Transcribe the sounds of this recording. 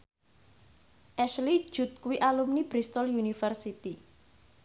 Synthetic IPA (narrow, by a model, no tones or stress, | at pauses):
ʔɛʃli̥ʒ̥ṳt̪̚kuwiʔalumnibɾist̪ɔljunifərsit̪i